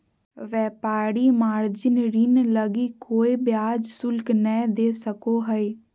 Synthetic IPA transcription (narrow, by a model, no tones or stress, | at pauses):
ʋɛːpaːɽiːmaːɾd͡ʒɪnɾiːnləɡiːkʰoːiːbɪjaːd͡ʒsʊlknɛːd̪eːsəkoːɦəiː